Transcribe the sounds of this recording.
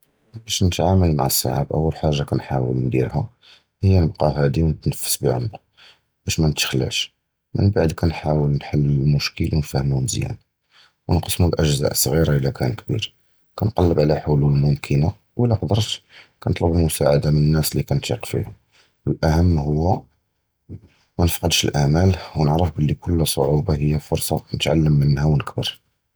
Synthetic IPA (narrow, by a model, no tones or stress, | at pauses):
bæʃnət̪ʕaməlma̰ʕəsːa̰ʕa̰bʔəwːəlħaʒːakænħawəlnd̪ḭɾhæ | həjːænəbqɑɦæd̪iwnət̪nəfːə̥sbiʕʊ̰mq | b̥æʃmænət̪əxlːæ̰ʃ | mənbaʕd̪kænħawəlnħalːəmʊʃkəlwnfæhəmunzjæ̰n | wnqəsmulʔəʒzæ̰ʔəsˤɣiɾɑʔəlːækʰænkbḭɾ | kænqɑlːəbʕlæħʊluləlmʊmkʰəna | wʔəlːæqd̪əɾˤt̪kænət̪ˤləbəlmʊsaʕad̪amənənːæslikænt̪ḭqfḭhʊ | wəlʔæhəmːhʊwːæ | mænəfqɑd̪ʃəlʔæʕmælwnəʕɾəfbəlːikʊlːsˤoʕubɑhəjːæfʊɾˤsˤɑnət̪ʕa̰lːəmːənːhæwnəkbə̰ɾ